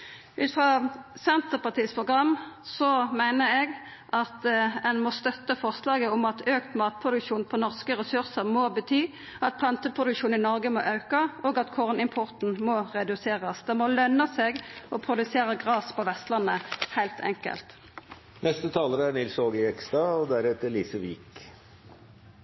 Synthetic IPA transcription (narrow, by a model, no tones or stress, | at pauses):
ʔʉ̰ːt̪fʁɑsɛnt̪əʁpɑʁt̪ʰiːspʰʁʊɡʁɑmsɔmæɪnəɛɡ | ʔɑt̪ɛnmɔst̪œt̪ːəfɔʁslɑːɡəʊmɑt̪øːkt̪mɑːt̪̚pʰʁʊd̪ʉkʃuːnpʰɔnɔʁskəʁɛsʉʁsəʁmɔbət̪ʰyː | ɑt̪̚pʰlɑnt̪əpʰʁʊd̪ʉkʃuːnɪnɔʁɡəmɔ̰ʔɑʉkɑɔːɡɑt̪kʰɔʁnɪmpʰʊʁt̪n̩mɔʁɛd̪ʉseːʁɑsd̪ɛmɔlœnɑseːɡɔpʰʁʊd̪ʉseːɾəɡʁɑːspʰɔʋɛst̪lɑnːəhæɪlt̪ʰɛ̰ŋkə̰lt̪ | nɛst̪ət̪ʰɑːləɾəæɳɪlsoːɡɪɛkst̪ɑɔd̪æɾɛt̪əliːsəʋik